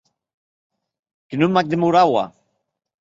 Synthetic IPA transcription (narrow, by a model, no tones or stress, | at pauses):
kenumːak̚d̪emuɾawa̰